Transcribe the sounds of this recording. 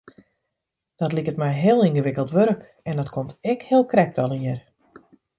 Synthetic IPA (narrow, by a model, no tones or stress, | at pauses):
d̥ɔtlikətmɛjɦɪəlˠinɣəʋɪkəlˠtʋøɾk | ɛndɔtkʰomtɛkhɪəlˠkrɛk̚tɔlˠiər